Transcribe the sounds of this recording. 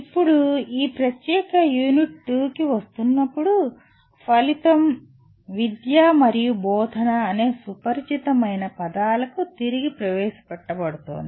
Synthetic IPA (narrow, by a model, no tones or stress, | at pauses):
ipːuɽuiːpɾɐt̪jɛːkɐjuːniʈːuːkiʋɐst̪unːɐpːuɽu | pɐlit̪ɐm | ʋid̪jaːmɐɾijubɔːd̪ʱɐnɐːne̞ːsupɐɾd͡ʒit̪ɐmɐjnɐpɐd̪aːlɐkut̪iɾiɡipɾɐʋɛːʃɐ̥pɛʈːɐbɐɽut̪o̰ːnd̪i